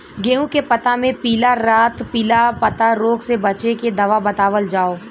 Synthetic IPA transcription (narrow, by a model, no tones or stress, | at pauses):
ɡeːũkepɐt̪amẽpiːlaɾaːt̪piːlapɐt̪aɾoːɡsebɐt͡ʃeked̪ɐʋabɐt̪aːʋəld͡ʒaːoː